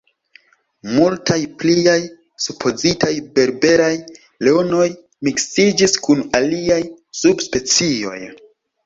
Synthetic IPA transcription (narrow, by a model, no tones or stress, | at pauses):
multajpliaj | supʰo̞zitʰajbe̞ɾbe̞ɾaj | leono̞j | miksid͡ʒiskunaliaj | subspe̞t͡sio̞̰j